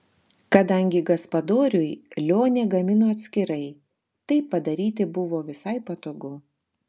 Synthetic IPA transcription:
kɐd̪ɐŋʲɡʲɪɡɐspɐd̪oːɾʲʊjlʲoːnʲeːɡɐmʲɪnoːɐt̪ʲsʲkʲɪɾɐɪ | t̪ɐɪpːɐd̪ɐɾʲiːt̪ʲɪbʊʋoːʋʲɪsɐɪpɐt̪oːɡʊ

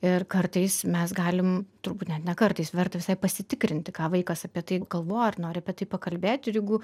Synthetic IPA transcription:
ɪrkɐrt̪ɐɪsmʲɛsɡɑːlʲɪmt̪ʊɾbuːt̪nʲɛt̪nʲɛkɐrt̪ɐɪsʋʲɛrt̪ɐʋʲɪsɐɪpɐsʲɪt̪ʲɪkɾʲɪnʲt̪ʲɪkɑːʋɐɪkɐsɐpʲiɛt̪ɐɪɡɐlˠʋoːɐrnoːɾʲɪɐpʲiɛt̪ɐɪpɐkɐlʲbʲeːt̪ʲɪjɪɡʊ

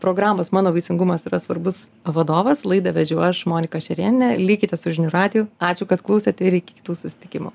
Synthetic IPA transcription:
pɾoːɡɾɑːmoːsmɑːnoːʋɐɪsʲɪŋɡʊmɐsiːɾɐsʋɐɾbʊs | ʋɐd̪oːʋɐslˠɐɪd̪ɐʋʲɛd͡ʒʲʊɐʃmoːnʲɪkɐʃʲɛɾʲiɛnʲɪnʲɛlʲiːkʲɪt̪ʲɛsʊʒʲɪnʲuɾɑːd̪ʲɪjuːɑːt͡ʃʲʊkɐt̪klˠɐʊsʲɛt̪ʲɪɾɪkʲɪkʲɪ̥t̪uːsʊsʲɪ̥t̪ʲɪkʲɪmṵ

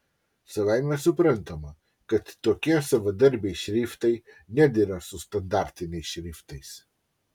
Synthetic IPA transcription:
səvajmɛsupɾənt̪əma | kət̪t̪okʲiasəvəd̪əɾbijʃɾift̪əj | nʲɛd̪iɾasust̪ɐnd̪aɾt̪iniʃɾift̪əjs

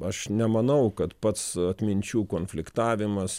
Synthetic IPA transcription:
ɐʃnʲɛmɐnɐʊkɐt̪pɐt̪sɐt̪ʲmʲɪnʲt͡ʃʲuːkoːnʲfʲlʲɪkt̪ɑːʋʲɪmɐs

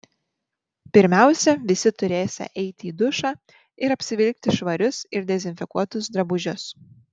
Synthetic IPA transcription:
pʲɪɾʲmʲæˑʊsʲɛʋʲɪsʲɪt̪ʊɾʲeːsʲɛ̰ʔɛɪt̪ʲɪiːd̪ʊʃɑː | ɪɾɐpʲsʲɪʋʲɪlʲk̚t̪ʲɪʃʋɐɾʲʊsɪɾd̪ʲɛzʲɪnʲfʲɪkuɔt̪ʊsd̪ɾɐbʊʒʲʊs

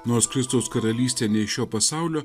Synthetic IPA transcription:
noːɾskɾʲɪst̪ɐʊskɐɾɐlʲiːsʲt̪ʲeːnʲɛɪʃʲoːpɐsɑˑʊlʲoː

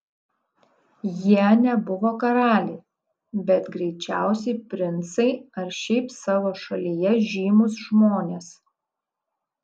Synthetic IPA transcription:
jiɛnʲɛbʊʋoːkɐɾɑːlʲɛɪ | bʲɛt̪ɡɾʲɛɪt͡ʃʲæˑʊsʲɛɪpʲɾʲɪnt̪sɐɪɐɾʃʲɛɪpsɑːʋoːʃɐlʲijɛʒʲiːmʊs̬ʒmoːnʲeːs

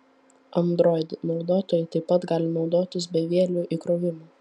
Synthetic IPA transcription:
ɐnd̪ɾoːɪd̪ʲnɒʊd̪oːt̪oːjɛɪt̪ɐɪpːɐt̪ɡɑːlʲɪnɒʊd̪oːt̪ʲɪs̬bʲɛʋʲiɛlʲuːʔikɾoːʋʲɪmoː

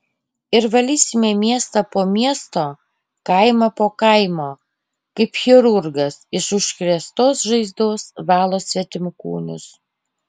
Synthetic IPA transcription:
ɪɾʋɐlʲiːsʲɪmʲeːmʲiɛst̪ɐpoːmʲiɛst̪oː | kɐɪmɐpoːkɐɪmoː | kɐɪpxʲɪɾʊɾɡɐsɪʃʊʃkɾʲɛst̪oːsʒɐɪzd̪oːsʋɑːlˠoːsʲʋʲɛt̪ʲɪmkṵːnʲʊs

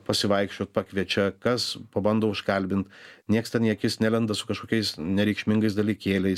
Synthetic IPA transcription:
pɐsʲɪʋɐɪkʃʲt͡ʃʲoːt̪̚pɑkʋʲiɛt͡ʃʲɛkɐspɐbɐnd̪oːʊʃkɐlʲbʲɪnt̪nʲiɛkst̪ʲɛnjiɛkjɪsnʲælʲɛnd̪ɐsʊkɐʃkoːkʲɛɪsnʲɛɾʲɛɪkʃʲmʲɪŋɡɐɪsd̪ɐlʲɪkʲeːlʲɛɪs

